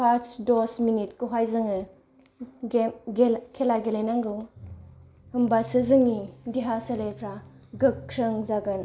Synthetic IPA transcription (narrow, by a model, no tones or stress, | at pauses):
pʰat͡ʃdɔsminit̚kuɦajzɯŋɯ | ɡɡekʰelaɡelenaŋɡɯw | hɯmbasɯzɯŋidiɦaselepʰɾaɡɯkːʰɾɯŋzaɡɯn